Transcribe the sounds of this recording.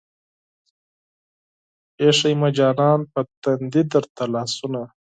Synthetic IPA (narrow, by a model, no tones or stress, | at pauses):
eʂɐjmad͡ʒɑːnɑːnpət̪and̪id̪əɾt̪alɑːsuna